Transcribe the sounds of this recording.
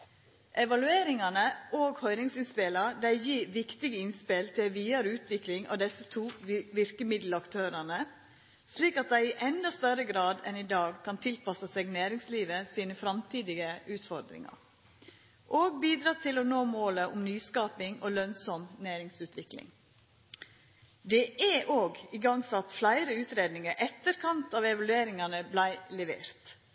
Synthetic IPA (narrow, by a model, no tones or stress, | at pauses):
ʔɛʋɑlʉeːɾɪŋɑnəʔoːɡhœʏnɪŋsɪnspɪlɑɾd̪æɪjiːʋɪkt̪ɪɡəɪnspɪlt̪ʰɪlʋiːɑɾʉːt̪ʋɪklɪŋɑ̰ʋd̪ɛsət̪ʰuːʋɪɾkəmɪd̪l̩ɑkt̪ʰøːɾɑnə | sliːkɑt̪̚d̪æɪɪʔɛnd̪ɑst̪œɾəɡɾɑːd̪ɛnɪd̪ɑːɡkʰɑnt̪ʰɪlpɑsəseːɡnæːɾɪŋsliːʋəsiːnəfɾɑmt̪ʰiːd̪ɪɡəʉːt̪fɔɾd̪ɾɪ̰ŋɑ̰ɾ | ʔoːɡ̚biːd̪ɾɑt̪ʰɪlɔnoːmoːləʔʊmnyːskɑːpɪŋoːlœnsɔmnæːɾɪŋsʉːt̪ʋɪklɪ̰ŋ | d̪ɛʔɛʔoːɡɪɡɑŋsɑt̪flæɪɾəʉːt̪ɾeːd̪nɪŋəɾʔɛt̪ːəɾkʰɑnt̪ɑːʋɛʋɑlʉeːɾɪŋɑnəblæɪlɛʋḛːɾt̪